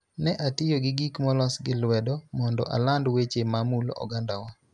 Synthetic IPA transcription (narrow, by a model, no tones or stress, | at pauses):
nɛʔatɪjoɡɪɡikmɔlɔsɡɪlwɛdɔmɔndɔ̰ʔa̰landwet͡ʃemamulɔ̰ɡandawa